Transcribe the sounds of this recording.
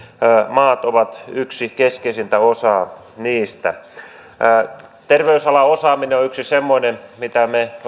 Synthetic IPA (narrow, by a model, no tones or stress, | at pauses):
mɑːt̪oʋɑt̪yksikeskeisint̪æosɑː | niːst̪æ̰ː | t̪erʋeysɑlɑosɑːmineoyksisemːoĭnemit̪æme